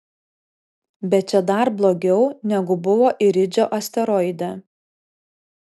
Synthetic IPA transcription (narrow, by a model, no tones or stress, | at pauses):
bʲɛt̪̚t͡ʃʲɛd̪ɐɾblˠoːɡʲɛʊnʲɛɡʊbʊʋoːʔɪɾʲɪd͡ʒʲoːʔɐsʲt̪ʲɛɾɔɪd̪ʲɛ